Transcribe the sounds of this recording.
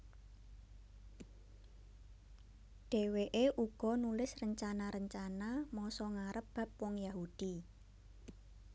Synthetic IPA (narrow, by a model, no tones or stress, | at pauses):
ɖ̥e̤weʔeʔuɡ̥ɔ̤nulɪsrəɲt͡ʃanaɾəɲt͡ʃanamɔsɔŋaɾəpb̥ä̤p̚wɔŋjaɦud̥i